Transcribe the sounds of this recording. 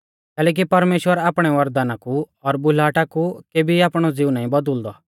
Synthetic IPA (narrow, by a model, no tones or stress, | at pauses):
kɛːlɛːk̬ipɐɾmeːʃwəɾaːpɽ̃ɛʋɐɾd̪aːnaku | ɔɾbʊlaːʈakukeːbʱiaːpɽ̃ɔd͡zɪːunaːĩbɐd̪əld̪ɔ